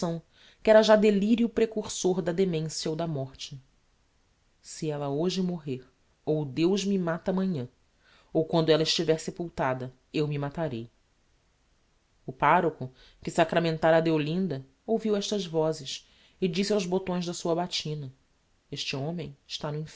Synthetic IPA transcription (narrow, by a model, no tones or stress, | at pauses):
ɐ̃w̃ | kɪɛɾɐʒad̪eliɾjʊpɾekuɾsoɾd̪ɐd̪emẽsjɐowd̪ɐmɔχt͡ʃɪ | sɪɛlɐoʒɪmoɦeɾ | owd̪ewʒmɪmat̪ɐaːmɐ̃ɲɐ̃ | owkwɐ̃nd̪ʊɛlɐɪʃt͡ʃivɛɾsepuwt̪ad̪ɐ | ewmɪmat̪aɾej | ʊpaɾokʊ | kɪsakɾamẽnt̪aɾɐːd̪eolĩnd̪ɐ | owviwɛʃt̪ɐzvɔzɪʃ | ɪd͡ʒisawzbot̪õj̃zd̪ɐsuɐbat͡ʃĩnɐ | eʃt͡ʃɪõmẽj̃ɪʃt̪anʊĩf